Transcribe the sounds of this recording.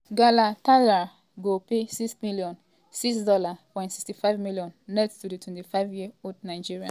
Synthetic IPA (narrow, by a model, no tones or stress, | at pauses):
ɡalatala | ɡopesiksmiljɔ̃n | siksdɔlapɔ̃jntsi̥kstifaɪvmiljɔ̃nːɛttuditʰwɛ̃ntifavjiodnaɪd͡ʒiɹiã̰n